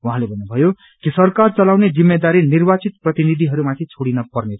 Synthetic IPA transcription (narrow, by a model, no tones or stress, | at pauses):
wɦãlebʱʌnːubʱʌjo | kisʌrkart͡sʌlawned͡zimːed̪aɾinirbat͡sit̪̚prʌt̪inid̪ʱiɦʌɾumãt̪ʰit͡sʰoɽinʌpʌrneɾʌ